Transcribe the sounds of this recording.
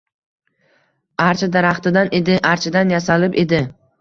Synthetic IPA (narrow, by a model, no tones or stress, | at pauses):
aɾt͡ʃʰad̪aɾaχt̪ɪd̪anʔe̞d̪ɪʔaɾt͡ʃʰɪd̪anjasalɪpe̞d̪ɪ